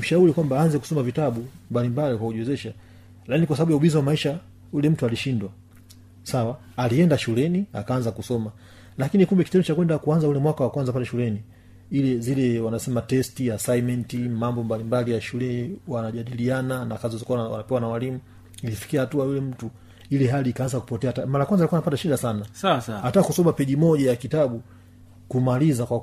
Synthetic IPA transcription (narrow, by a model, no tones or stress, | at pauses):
m̩ʃauɾikwambaanzɛku̥sɔmavitaɓumbalimbalikwakuʄwɛzɛʃa | lakinikwas̬aɓaɓujauɓizawamaiʃa | julɛm̩tualiʃindwa | sawaː | liɛndaʃulɛnia̰kaanzakusɔma | lakinikumbɛkitɛndut͡ʃakwɛndakuanzaulɛmwakawakwanzap̬alɛʃulɛni | ilɛzilɛwanasɛmatɛstijasajmɛntimambɔmbalimbalijaʃulɛwanaʄaɗiliananakazɔzikuwawa̰napɛwanawalimu | ilifi̥kiahatuajulɛm̩tu | ilɛɦaliːkaanzaku̥pɔtɛatamaɾajakwanzalikuanapataʃiɗasanaaataːkusɔmapɛʄimɔʄajakitaɓu | kumalizakwa